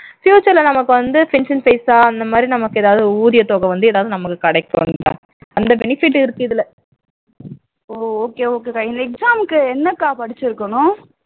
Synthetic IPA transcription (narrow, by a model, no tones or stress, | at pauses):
fjuːt͡ʃɐɾlɐnɐmɐkːɯʋɐnd̪ɯfɪnsɪnfeɪsaːɐnd̪ɐmaːd̪ɾinɐmɐkːɯeːðaːʋðɯuːðɪjɐt̪oːɣɐʋɐnd̪ɯeːðaːʋðɯnɐmɐkːɯkɐɽɛɪkːo̰ɳʈa̰ː | ɐnd̪ɐbɛnɪfɪʈ̬ːɪɾɯkːɯðɪlɛ | oːoːkeːoːkeːkaːɪnd̪ɐɛksaːmkːɯɛnːɐkːaːpɐɽɪt͡ʃːɪɾɯkːɐnʊ̃